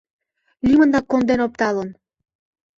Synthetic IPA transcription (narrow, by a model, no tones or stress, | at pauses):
lʲimə̆nd̪ɑkond̪enop̚t̪ɑlən